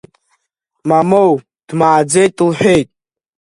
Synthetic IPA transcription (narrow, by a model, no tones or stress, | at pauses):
mamow | d̥maːd͡zejtʼlħᶣejtʼ